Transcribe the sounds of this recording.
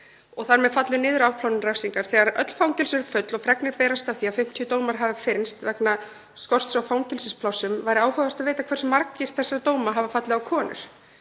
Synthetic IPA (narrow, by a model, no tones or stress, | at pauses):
ɔɣθaɾmɛðfat̪lɪnɪːðʏɾawpʰlawnɪmrajfsiŋkaɾ̥θɛːɣaɾœ̰t̪l̥fawnc̪ɪlsʏɾfʏt̪lɔɣfɾɛknɪɾpɛːɾast̪awθiːaðfɪm̥t̪ʰjʏt̪oːwmaɾ̥ɦavɪfɪɾnst̪vɛkna | skɔr̥st̪sawfaːwnc̪ɪlsɪspʰlawsːʏmvajɾɪaːwhœvar̥t̪aðveːjt̪akʰvɛrsmaɾkɪɾ̥θɛsːaɾat̪oːwmaɦavafat̪lɪawkʰɔːnʔʏ̰ɾ̥